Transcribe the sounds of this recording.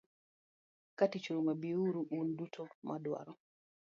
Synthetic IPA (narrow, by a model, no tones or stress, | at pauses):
katit͡ʃuɾumabiuɾuʔundutʰɔmʔadwa̰ɾɔ